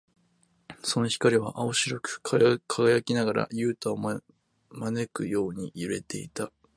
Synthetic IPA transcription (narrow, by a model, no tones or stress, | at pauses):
so̞no̞çi̥kaɾʲiβaʔaoɕiɾokɯ̟̥kʰaɡajakʲinaɡaɾa̰jɯ̟ːt̪aom | mane̞kɯ̟jo̞ːɲ̟ḭiɾe̞̰t̪e̞it̪a